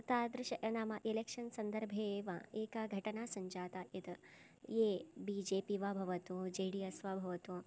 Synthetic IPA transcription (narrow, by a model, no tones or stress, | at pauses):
t̪aːd̪ɾɪʃɐnaːmɐʔelekʂɐnsɐnd̪ɐɾbʱeʋa̰eːkaɡʱɐʈɐnaːsɐɲd͡ʒaːt̪ɐʔit̪ | jeːbid͡ʒeːpiʋabʱɐʋɐt̪ud͡ʒeːɽiɐsʋɐbʱɐʋɐt̪u